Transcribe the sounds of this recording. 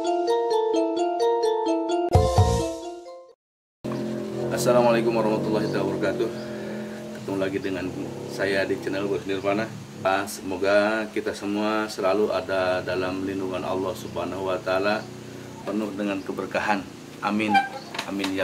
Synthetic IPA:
ʔasːalamalakʊmwaɾɑhmat̪ulːɑɦit̪abɔɾɔkat̪ʊh | kə̥t̪əŋulaɡidəŋansajadit͡ʃənəlbərsənɪrpanah | səmoɡakit̪asəmuasəlaluʔadadalamlinduŋanɑ̰lːɑhsubhanahuwat̪aːla | pənʊhdəŋankəbərkaɦan | ʔamɪnamɪnja

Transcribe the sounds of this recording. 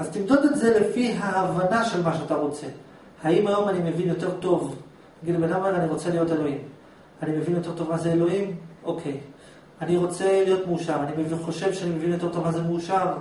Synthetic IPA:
azt̪imdodetze̞le̞fiɦaːvanaʃe̞lmaʃeataʁo̞t͡se̞ | haimajo̞manime̞vinjo̞te̞ʁto̞v | ɡidbenameʁaniʁo̞t͡se̞lijo̞te̞lo̞im | anime̞vinjo̞t̪̬e̞ʁt̪o̞vmazeelo̞imʔo̞kʰe̞j | aniʁo̞t͡se̞lijo̞t̪meuʃaʁanimeviχo̞ʃe̞vʃeanime̞vinjo̞t̪e̞ʁtovmazemeuʃaʁ

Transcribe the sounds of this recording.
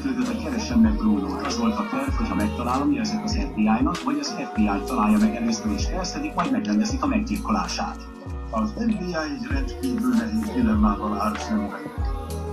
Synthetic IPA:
t̪øːt̪ɛt̪ɛkɛɾɛʃɛmːɛd̪roːluːt̪ɒzvo̞lt̪ɒt̪ønhochɒmɛk̚t̪ɒlaːlomiɛzɛkɒzɛvbiaːjnɒkvɒɟɒzɛvbiaːjt̪ɒlaːjːɒmɛɡɛrɛst̪ɛleːʃt̪ɛɛst̪ɛd̪ikmɒjd̪mɛɡlɛnd̪ɛsik̪ɒmɛɡ̚d̪irkolaːʃa̰ːt̪ | ɔzɛvbiːaːjirɛnt̪kiːvylnɛit̪d̪ilɛmːaːvɒlaːrsɛmvɛ

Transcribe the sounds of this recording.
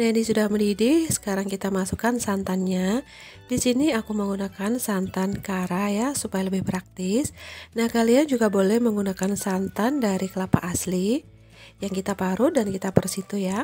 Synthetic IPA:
nainisudahməndidɪhsə̥kaɾaŋkit̪amasukansant̪anɲa | disiniakuməŋɡunakansant̪ankaɾajasupajaləbɪhpɾak̚t̪ɪsnahkaliand͡ʒuɡabolɛhməŋɡunakansant̪andaɾikəlapa̰ʔːsli | jaŋkit̪apaɾudankit̪apərsit̪uja

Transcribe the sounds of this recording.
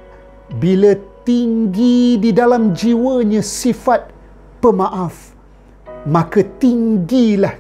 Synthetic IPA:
bilət̪iŋɡididalamd͡ʒiwəɲãsifat̪̚ | pəmãʔaf | mãkət̪iŋɡilah

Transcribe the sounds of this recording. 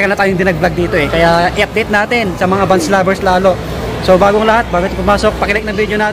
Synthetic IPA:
kɐlnɐt̪aːjoŋd̪ɪnɐɡ̚blɐɡ̚d̪iːt̪o̞ʔɛkɐjaʔɪʔɐp̚d̪ɛjt̪naːt̪ɛnsɐmɐŋabɐnslaːbɛɹslaːlo̞ | sobaːɡoɐŋlɐhat̪̚baːɡot̪ɐpʊmaːso̞k̚pɐkɪlɛk̚nɐŋbid̪jonaː

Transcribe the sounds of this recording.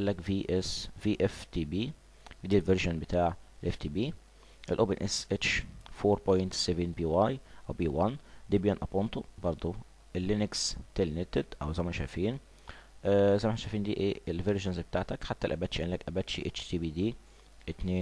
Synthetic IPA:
ælːækviːʔesviːʔeft̪iːbiː | wd̪iːlveɾʒonbet̪aːʕelʔeft̪iːbiː | ʔelʔoːbenʔesʔet͡ʃfoːɾˤpojnt̪sevenbiːwajʔæwbiːwænd̪iːbijonʔɑpont̪obɑɾˤd̪ˤo | ʔelːinekst̪elnet̪ed̪ʔæ̰wzæjmænʃæjfiːn | ʔzæmæħnæʃæjfiːnd̪iːʔeːelveɾʒonzbet̪aːʕt̪ækħat̪ːælʔæbæt̪ʃiʔænlækʔæbæt̪ʃḭʔet͡ʃt̪iːbiːd̪iː | ʔet̪neː

